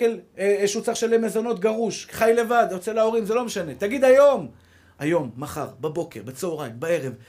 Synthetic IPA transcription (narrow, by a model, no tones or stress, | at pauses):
elʃut͡saχʃelemezo̞no̞t̪ɡaʁuʃχajle̞vad̪jot͡selao̞ʁimzelo̞meʃane̞t̪aɡid̪ajo̞m | ajo̞mːaχa̰ʁbabo̞ke̞ʁbat͡seoʁajmbae̞ʁev